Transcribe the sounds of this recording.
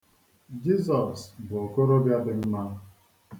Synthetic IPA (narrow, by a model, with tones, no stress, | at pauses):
d͡ʒi˦sɔ˨sbʊ˨ɔ˨ko˦ɾo˦bja˦dɪ˦m̩˦ma˦